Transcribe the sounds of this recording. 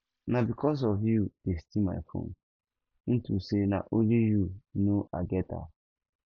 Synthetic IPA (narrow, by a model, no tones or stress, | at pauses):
nabikʰɔs̬ɔvjud̥estima̰jfõ̰n | n̩tusena̰ʔolijunoʔa̰ɡɛta̰